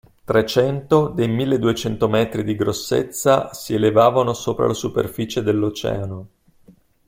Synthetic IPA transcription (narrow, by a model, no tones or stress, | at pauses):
t̪ɾet͡ʃɛnt̪od̪ejmilːed̪uet͡ʃɛnt̪omɛːt̪ɾid̪iɡɾosːḛt̪sːasielevaːvanosoːpɾa̰lasupḛrfiːt͡ʃed̪elːot͡ʃɛ̰ːano